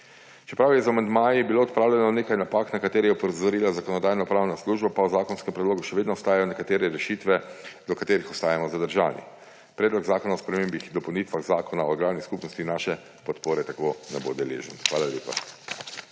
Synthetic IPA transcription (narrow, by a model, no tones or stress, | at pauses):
t͡ʃɛpɾawjɛzamand̪maːjibiloːt̪̚pɾaːwlʲjɛnɔneːkajnapaːknakat̪eːɾɛjɛɔpɔzɔɾiːlazakɔnɔd̪aːjnɔpɾaːwnasluʒbapawzaːkɔnskɛmpɾɛd̪loːɡuʃɛʋeːd̪nɔɔst̪aːjajɔnɛkat̪eːɾɛɾɛʃiːt̪ʋɛd̪ɔkat̪eːɾixɔst̪aːjamɔzad̪əɾʒa̰ːnḭ | pɾɛːd̪lɔɡzaːkɔnaɔspɾɛmeːmbixd̪ɔpɔwnit̪ʋaɣzaːkɔnaɔɡlaːwniskupnɔst̪inaːʃɛ | pɔt̪poːɾɛt̪akonɛbo̰d̪ɛlḛːʒənxʋaːlalʲeːpa̰